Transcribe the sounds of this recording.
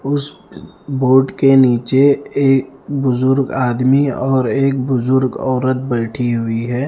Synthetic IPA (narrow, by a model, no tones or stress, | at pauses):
ʊs | boːʈkeniːt͡ʃeeːkbʊzʊɾɡaːd̪miɔːɾeːk̚bʊzʊɾɡɔːɾət̪̚bɐːʈʰiɦʊiɦɛː